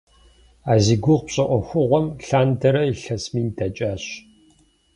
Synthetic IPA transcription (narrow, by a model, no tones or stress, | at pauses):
aːziɡʷʊʁpɕʼɐʔʷɔxʷʊʁʷɔmɬaːndɐɾɐiɬɐsmiːntʰɐt͡ʃʼaːɕ